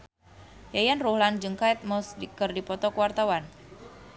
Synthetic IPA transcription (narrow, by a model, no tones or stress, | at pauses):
jajanruhland͡ʒɨŋkaɛt̪̚mɔsdikərdipɔt̪ɔkuwart̪awan